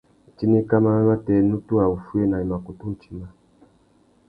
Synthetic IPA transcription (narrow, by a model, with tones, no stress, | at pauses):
t͡ʃi˦ni˦ka˦ma˦na˦tɛ˨˦nu˦tu˦a˨u˨fu˦e˦na˨i˨ma˨ko˨tu˦n˨t͡ʃi̥˦ma˦